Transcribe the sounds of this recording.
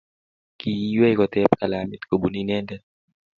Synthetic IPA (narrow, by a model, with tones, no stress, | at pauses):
ki˨i˦wɛ˦i˦kɔ˨t̪ɛ˦pka˨la˨mɛ˨t̪ko˨bu˨ni˦nɛ˦ndɛ